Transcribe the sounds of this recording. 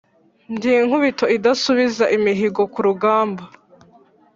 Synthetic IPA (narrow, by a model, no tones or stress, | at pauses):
mɟiːŋ̥huβito̞idasuβizaʔimiɦiɡo̞kuɾuɡaːmba